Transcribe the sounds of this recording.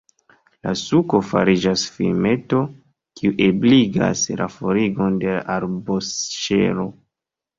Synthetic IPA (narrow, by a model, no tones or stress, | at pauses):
la̰suko̞fa̰ɾid͡ʒasfḭme̞to̞ | kiuʔebliɡa̰slafoɾiɡo̞nde̞laʔaɾbosʃḛlo̞